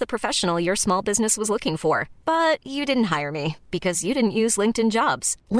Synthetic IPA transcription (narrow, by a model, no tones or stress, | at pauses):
ðəpʰɹ̥ɨfɛʃn̩l̩ˠjə˞smɔlˠbɪznɨswʌzlʊkɪ̃ŋfə˞b̥ʌt͡ʃɨdɪdⁿn̩t̚ɦaɪə˞mib̥ɨkʰʌzjɨɾɪdⁿn̩ʔjʉzlɪ̃ŋk̚tɨ̃nd͡ʒɑbz̥l